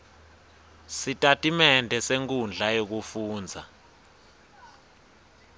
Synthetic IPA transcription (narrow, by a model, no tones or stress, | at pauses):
sitʼatʼimɛndʱɛseŋkʼund͡ɮʱajok̬ufuːnd͡zʱa̰